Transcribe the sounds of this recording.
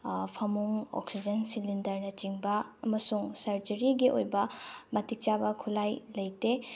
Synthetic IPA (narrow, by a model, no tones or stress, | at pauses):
pʰɐmuŋɔ̰ksid͡ʒɐnsilindɐɾnɐt͡ʃiŋbɐːmɐsuŋsɐɾd͡ʒɐɾiɡiʔo̰jbɐmɐtik̚t͡ʃabɐkʰulajlɐjte